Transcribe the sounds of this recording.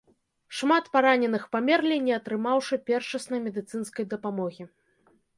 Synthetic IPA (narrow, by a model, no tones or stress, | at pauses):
ʂmat̪paɾanʲɛnɨxpamʲɛrlʲijnʲɛɐt̪ɾɨmawʂɨpʲɛrʂɐsnɐjmʲɛd̪ɨt̪sɨn̪skɐjd̪ɐpamɔɣʲi